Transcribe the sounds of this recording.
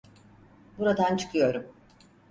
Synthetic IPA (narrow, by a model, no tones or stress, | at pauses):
buɾad̪ant͡ʃʰɯ̥kʰɯjo̞ɾum